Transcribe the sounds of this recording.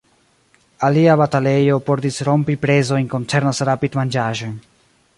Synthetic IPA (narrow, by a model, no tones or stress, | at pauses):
aliabatale̞jo̞poɾtisɾo̞mpipɾe̞zo̞jnko̞nt͡se̞ɾnasɾapidmand͡ʒaʒo̞n